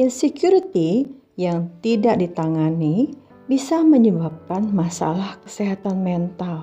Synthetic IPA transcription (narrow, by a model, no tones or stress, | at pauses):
insekjuɾit̪i | jaŋt̪idak̚dit̪aŋani | bisaməɲəbap̚kanmasa̰lahkə̥siɦat̪anmɛnt̪al